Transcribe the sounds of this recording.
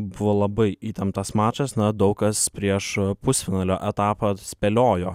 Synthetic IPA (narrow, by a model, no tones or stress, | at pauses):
bʊʋoːlˠɐbɐɪiːt̪ʲɛmt̪ɐsmɑːt͡ʃɐsnɐd̪ɐʊkkɐspʲɾʲiɛʃpʊsʲfʲɪnɑːlʲoːʔɛt̪ɑːpɐsʲpʲɛlʲoːjoː